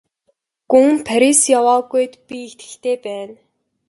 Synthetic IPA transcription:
ɡ̥uŋpʰæɾisjawaːɣujt̪pʲixt̪ɡɘ̥̆ɬt̪eːpæːn

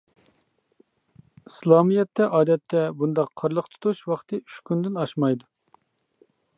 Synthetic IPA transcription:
islˠɑːmijɛt̪ʰːɛʔɑːd̪ɛt̪ʰːɛbund̪ɑqʰːɑɾlˠəqt̪ʰu̥t̪ʰuʃwɑχt̪ʰɨyʃkʲynd̪ɪnɑʃmɑjd̪u

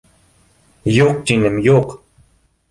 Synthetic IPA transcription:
joːq̚t͡ʃinəmjoːq

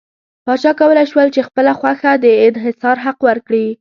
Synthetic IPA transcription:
pɑt͡ʃɑkawəlajʃwəlt͡ʃexpəlaxwaxad̪əɪnɦɪsɑɾɦaqwəɾkɽi

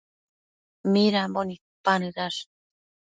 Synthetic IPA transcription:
miɾambonik̚panɯɾaʂ

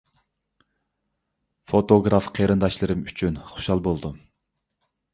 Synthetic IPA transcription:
fot̪oɡɾɑfqʰeɾɨnd̪ɑʃlˠɨɾɨmyt͡ʃʰynχo̥ʃɑlˠbolˠd̪u

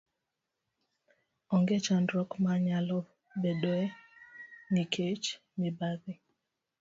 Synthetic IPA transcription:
ɔŋɡet͡ʃandɾɔkmaɲalɔ | bedoɛ | nikʰet͡ʃ | nibaði

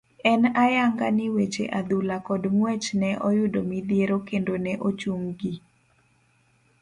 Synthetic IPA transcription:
ɛnajaŋɡa̰nɪwet͡ʃḛʔad̪ulakɔdmwɛt͡ʃnɛʔɔjʊdomid̪jeɾokendonɛʔot͡ʃuŋɡi

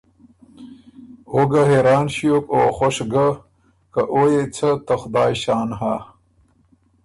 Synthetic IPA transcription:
oɡɐɦeɾaːnɕijokoːxoʂɡɐ | kɐʔoːjet͡sʰɐt̪ɐxd̪aːjɕaːnɦaː

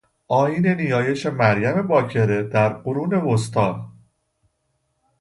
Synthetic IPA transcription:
ʔɒːjiːne̞nijɒːje̞ʃe̞mæɾjæme̞bɒːcʰe̞ɾe̞d̪̥æɾɢoɾuːne̞vost̪ɒːn

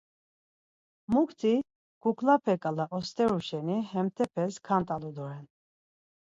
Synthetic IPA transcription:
mukʰt̪ʰi | ɡ̥ukʰlapʰɛkʼalaʔɔst̪ʼɛɾuʃɛnihɛmt̪ʰɛpʰɛskʰant̪ʼalud̪ɔɾɛn

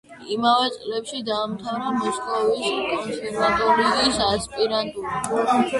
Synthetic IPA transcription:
imavɛt̪sʼlɛpʃid̪aːmt̪ʰavɾamɔʃk̪ʼɔviskʼɔnsɛɾmant̪ʼuliisaspʼiɾant̪ʼuli

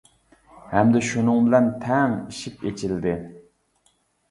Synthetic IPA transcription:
hɛmd̪ɪʃunɨŋbɪlɛnt̪ʰɛŋiʃipet͡ʃʰild̪ɪ

